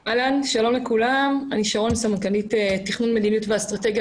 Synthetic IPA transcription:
ʔalanʃalo̞mlekulamaniʃaʁo̞nsamankalitetiχnunme̞d̪inijutveast̪ʁat̪e̞ɡja

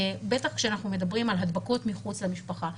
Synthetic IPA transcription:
be̞taχkʃeanaχnume̞dabʁimalɦad̪bako̞tmiχut͡slamiʃpaχa

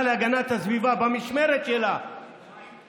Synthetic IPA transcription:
laɡɐnat̪ɐzwivabɐmiʃmeɾɐt͡ʃʼela

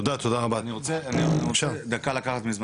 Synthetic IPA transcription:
od̪at̪od̪aʁabaaniʁot͡seanimoʃaʁd̪akalakaχat̪mizm

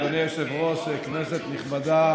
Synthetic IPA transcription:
oneʃevʁosekneset̪niχmad̪a

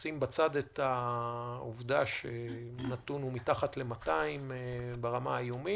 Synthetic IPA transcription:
simbat͡sad̪et̪a | uvdaʃenatunumitaχatle̞mataimbeʁamajomi

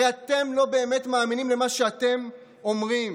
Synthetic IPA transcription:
at̪e̞mlo̞be̞ːme̞tmaːminimle̞maʃeate̞m | o̞mʁim

